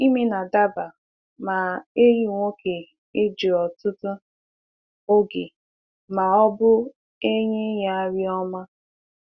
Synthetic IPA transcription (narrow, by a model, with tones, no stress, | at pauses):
i˦me˦na˨da˦ba˨ | ma˨e˦ɾi˨ŋʷo˦kʰe˨ | e˦d͡ʒe˨ɔ˨tʊ˦tʊ˦ | o˦ɡe˨ | ma˨ɔ˦bʊ˦ | e˦ɲe˦ja˦a˦ɾi˦ɔ˦ma˦